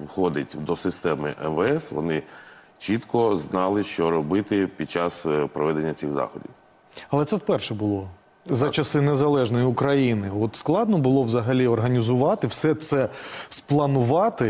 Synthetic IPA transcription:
wxɔd̪ʲɐtʲd̪ɔsɪst̪ɛmɪ̰ʔɛ̰mʋɛɛsʋɔ̰nɪ | t͡ʃit̪kɔznɑlˠɪʃt͡ʃɔɾɔbɪt̪ɪpʲid̪̚t͡ʃɑspɾɔʋɛd̪enʲːɐt͡sʲiɣzɑ̰xɔdʲḭw | ɐlˠɛt̪sɛwpɛrʃɛbʊlˠɔ | zɐt͡ʃɐsɪnezɐlˠɛʒnɔjiʊkɾɐjinɪɔt̪sklˠɑd̪nɔbʊlˠɔʋzɐɦɐlʲiɔrɦɐnʲizʊʋɑt̪ɪwsɛt̪sɛsplˠɐnʊʋɑt̪ɪ

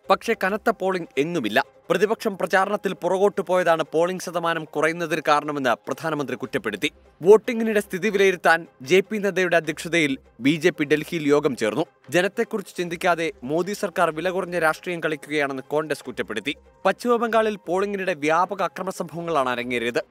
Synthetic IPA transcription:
pɐkʂe̞kɐnɐt̪ːɐpo̞ːɭiŋɡe̞nːumilːɐ | prɐðibɐkʂɐmprɐt͡ɕaːɾɐɳɐt̪ːilpurɐɣo̞ːʈːɨpo̞ːjɐðaːɳɨpo̞ːɭiŋɡɕɐd̪ɐmaːnɐmkurɐjunːɐðinkaːɾɐɳɐme̞nːɨprɐd̪ʱaːnɐmɐnd̪rikutːɐpːe̞ɽut̪ːi | ʋo̞ːʈːiŋɡiniɽe̞st̪ʰiðiʋilejiɾut̪ːaːnd͡ʑe̞ːpineðɐjuɽe̞ɐd̪ʱjɐkʂɐðɐjil | biːd͡ʑe̞ːpːiɖe̞lhijiljo̞ːɡɐmt͡ɕe̞ːrnːu | d͡ʑe̞nɐt̪ːe̞kːurit͡ɕːɨ̥t͡ɕind̪ikʲːaːðe̞mo̞ːd̪isɐrkaːrʋilɐɣurɐɲːɐɾaːʂʈriːjɐmkɐɭikʲːuɣɐjaːɳe̞nːɨko̞ːɳɖeskutːɐpːe̞ɽut̪ːi | pɐt͡ɕːuʋɐbɐŋɡaːɭilpo̞ːɭiŋɡiniɽe̞ʋjaːbɐɣɐːkrɐmɐsɐmbʱɐʋɐŋːɐɭaːɳɐɾɐŋːijɐɾijɐðɨ

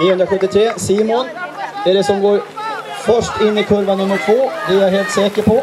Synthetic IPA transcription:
niːɵnɾaɧɵt̪ːɪt̪ʰɾeːsiːmʊnd̪ɛæɖɛsɔmɡoːɾ | fœʂʈɪnːɪkʰɵɾvanɵmːəʈʰvoːd̪ɛæɾjaɦeːlt̪sɛːkəpʰɔ

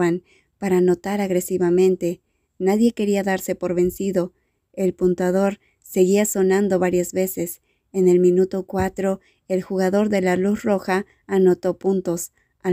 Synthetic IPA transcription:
an | paɾaːno̞t̪aɾaɣɾe̞siβamẽ̞nt̪e̞ | naðje̞ke̞ɾiaðaɾse̞po̞ɾβe̞nsiðo̞ | e̞lpunt̪wað̞o̞ɾ | se̞ɣiaso̞nãnd̪o̞βaɾjazβe̞se̞s | e̞ne̞lmĩnut̪o̞kwat̪ɾo̞ | e̞lxuɣaðo̞ɾðe̞lalusro̞xaː | no̞t̪o̞punt̪o̞s | a

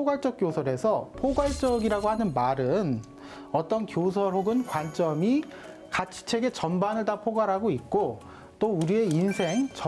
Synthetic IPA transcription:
poɡwaɭt͡ɕ͈ʌk̚k͈josʰʌɾe̞sʰʌpʰoɡwaɭt͡ɕ͈ʌɡiɾaɡohanɯnmaɾɯn | ʌt͈ʌnkjos̬ʰʌɾoɡɯnkwant͡ɕ͈ʌmi | kat͡ɕʰi̥t͡ɕʰe̞ɡe̞t͡ɕʌmbanɯɭdapʰoɡwaɾɦaɡoit̚k͈o | t͈ouɾie̞insʰe̞ŋt͡ɕʌ

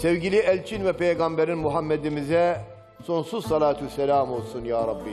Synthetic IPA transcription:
sɛvɟilʲiʔɛlʲt͡ʃʰinvɛpʰɛjɡambɛɾinmuɦamːɛd̪imizɛ | so̞nsuzsɑlaːt̪ʰusɛlʲaːmolˠsunjaːɾˤɑbːi

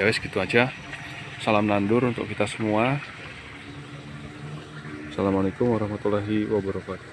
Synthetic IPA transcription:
awɛsɡit̪uad͡ʒa | salamnandʊɾunt̪ʊ̰kit̪asəmua | salamalekʊmwaɾɔhmat̪ulaɦiwabəɾɔkat̪u̥

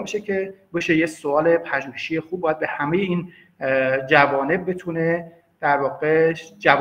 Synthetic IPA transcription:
beʃecʰebeʃejesoɒːle̞pʰæʒuːheʃijexuːb̚bːɒːjæd̪behæmejeiːn | d͡ʒævɒːne̞b̚ːe̞t̪ʰune | d̪̥æɾvɒːɣed͡ʒæv

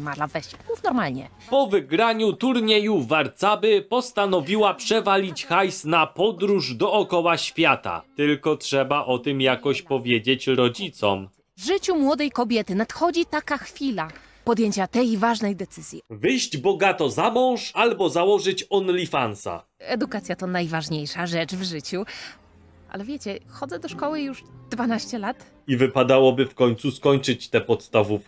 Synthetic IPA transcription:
maɾlavɛɕmufnɔɾmalɲɛ̰ | pɔvɘɡɾaɲut̪uɾɲejuvaɾt̪sabɘpɔst̪anɔvʲiwapʂɛvalʲit͡ɕxajsnapɔd̪ɾuʐd̪ɔɔkɔwaɕfʲjat̪a̰tt̪ɘlkɔtʂɛbaʔɔt̪ɘmjakɔɕpɔvʲjed͡ʑet͡ɕɾɔd͡ʑit̪sɔ̰m | vʐɘt͡ɕumwɔd̪ɛjkɔbʲjɛt̪ɘnat̪xɔd͡ʑit̪akaxfʲila | pɔd̪jeɲt͡ɕat̪ɛjvaʐnɛjd̪ɛt̪sɘzʲjɛvɘjʑd͡ʑbɔɡat̪ɔzamɔ̃w̃ʂalbɔzawɔʐɘt͡ɕɔnlʲifansa̰ | ɛd̪ukat̪sʲjat̪ɔnajvaʐɲejʂaʐɛt͡ʂvʐɘt͡ɕu | ʔa̰lɛvʲjet͡ɕɛxɔd̪zɛd̪ɔʂkɔwɘjuʐd̪vanaɕt͡ɕɛlat̪ | ivɘpad̪awɔbɘfkɔɲt̪suskɔɲt͡ʂɘt͡ɕt̪ɛpɔt̪st̪avufkʲ

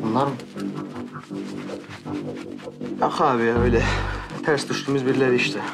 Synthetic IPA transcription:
unlˠaɾmɯ | ɑxɑβiøjlʲɛt̪ʰæɾsd̪uʃt̪ʰumuzbiɾlæɾiiʃt̪ɪ

